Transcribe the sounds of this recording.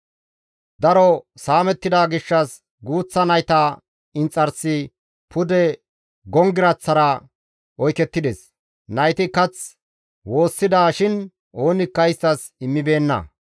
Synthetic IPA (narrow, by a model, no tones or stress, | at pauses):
d̪ɐɾɔsaːmɛt̪ːɪd̪aːɡɪʃːɐs | ɡuːt͡sːɐnɐjt̪a | ɪnt͡sʼːɐɾsɪ | pʰʊd̪ɛ | ɡɔŋɡɪɾɐt͡sːɐɾɐ | ɔjkɛt̪ːɪd̪ɛs | nɐjt̪ɪkɐt͡s | wo̞ːsːɪd̪aːʃɪn | ʔo̞ːnɪkːɐjɪst̪ɐs | ɪmːɪbe̞ːnːɐ̰